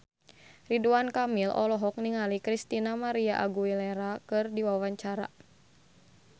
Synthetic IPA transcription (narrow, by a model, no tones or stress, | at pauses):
riduankamilʔɔ̰lɔɦɔk̚niŋalikɾist̪inamaɾiaʔaɡuilɛɾakɨrdiwawaɲt͡ʃaɾa̰